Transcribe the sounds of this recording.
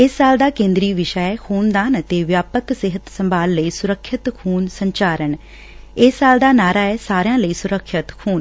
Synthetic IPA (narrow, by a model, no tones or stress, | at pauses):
ɪsːaːld̪aːkẽːnd̪ɾiːʋɪʃaɛːkʰuːnd̪aːnət̪eːʋjaːpəksɪɦət̪səmbʱaːlːəiːsʊɾəkʰːɪt̪kʰuːnsəɲt͡ʃaːɾəɳ | ɪsːaːld̪aːnaːɾaːɛːsaːɾjãːləiːsʊɾəkʰːət̪kʰuːn